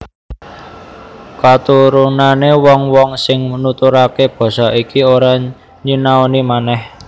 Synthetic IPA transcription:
kat̪uɾunanewɔŋwɔŋsɪŋnut̪uɾakeb̥ɔ̤sɔikioɾa | ɲinaonimanɛh

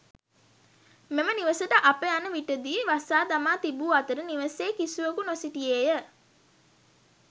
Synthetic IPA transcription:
meməniʋəsəʈəʔapeanəʋiʈəd̪iːʋasaːd̪amaːt̪ibuːat̪əɾəniʋəseːkisuʋəkunosit̪ijejə

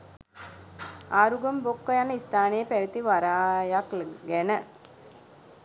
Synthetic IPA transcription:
aːɾuɡɐmbokːɐjanist̪aːnijepeɻut̪ːiʋɐɾaːjaklɡenɐ

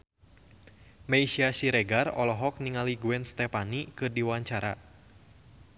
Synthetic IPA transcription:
mejʃiasiɾɛɡarɔlɔɦɔk̚niŋaliɡuɛnst̪ɛfanikɨrdiwaaɲt͡ʃaɾa̰

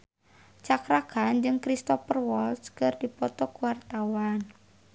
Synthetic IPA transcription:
t͡ʃakɾakand͡ʒɨŋkɾist̪ɔfərwɔlskɨrdipɔt̪ɔkuwart̪awan

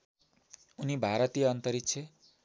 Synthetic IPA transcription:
unibʱaɾʌt̪ijʌːnt̪ʌɾitt͡sʰʌ

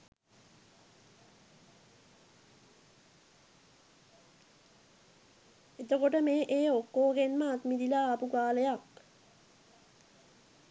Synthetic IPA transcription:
et̪okoʈəmeːʔeːokːoːɡenməːt̪mid̪ilaːpukaːləjak

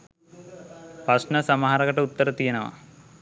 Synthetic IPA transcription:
pɐsnɐsɐmɐɦaɾɐɡɐʈːɐut̪ːɐɾɐt̪ijɐnɐʋɐ̰

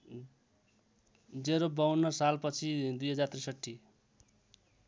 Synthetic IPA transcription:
d͡zeɾobʌwnːʌsalpʌt͡sʰid̪ujɦʌd͡zart̪risʌʈʰːi

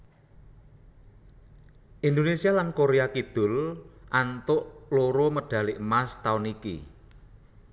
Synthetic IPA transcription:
ʔind̪onesialankoɾeakid̪̥ʊ̤lʔant̪ʊʔloɾoməɖ̥a̤lɪʔmast̪aunikḭ

